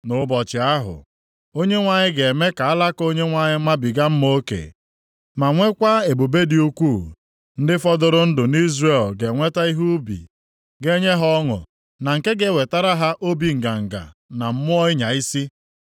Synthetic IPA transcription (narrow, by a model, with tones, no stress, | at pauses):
nʊ˨˦bɔ˨t͡ʃɪ˨a˦ɦʊ̰˨ | o˦ɲe˦ŋʷa˨ɲɪ˦ɡe˨me˦ka˨a˦la˦ko˦ɲe˦ŋʷa˨ɲɪ˦ma˦bi˨ɡa˦m̩˦mo˦kḛ˨ | ma˨ŋʷe˦kʷa˦e˨bu˨be˦di˦u˦kʷu˦˨ | n̩˦dɪ˦fɔ˦dʊ˨ɾʊ˦n̩˦dʊ˨ni˦zre˦˨lɡe˨ŋʷe˦ta˦i˦ɦu˦bḭ˨ | ɡe˦ɲe˦ɦɔ˦ŋʊ̰˨ | na˨ŋ̩˨ke˦ɡe˦˨we˨ta˦ɾa˦ɦa˦ʔo˦bi˨ŋ̩˨ɡa˨ŋ̩˨ɡa̰˨na˨m̩˦mʊ˦ɔ˦ɪ˦ɲa˨i˦si˦